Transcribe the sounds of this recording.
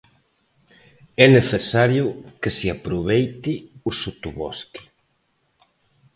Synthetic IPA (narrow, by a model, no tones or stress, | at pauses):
ɛneθesaɾjʊkesiapɾuβejt̪iusut̪uβɔski̥